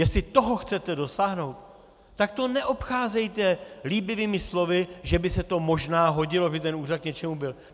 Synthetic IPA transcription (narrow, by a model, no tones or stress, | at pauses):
jɛst̪lɪt̪o̞ɦoxt͡sɛt̪ɛdo̞saːɦno̞wt̪ː | ak̚t̪o̞nɛʔo̞pxaːzɛjt̪ɛliːbɪviːmɪslo̞vɪʒɛbɪsɛt̪o̞mo̞ʒnaːɦo̞ɟɪloabɪt̪ɛnuːrat̪̚kɲɛt͡ʃɛmubɪl